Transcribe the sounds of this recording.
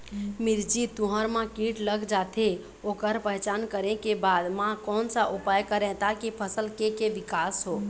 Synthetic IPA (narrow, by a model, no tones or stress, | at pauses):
miɾd͡ʒit̪uɦəɾmãkiʈləɡd͡ʒat̪ʰe | okəɾpəɦt͡ʃankəɾẽkebad̪mãkɔnsaʔupajkəɾɛ̃t̪akipʰəsəlkekeʋikasɦo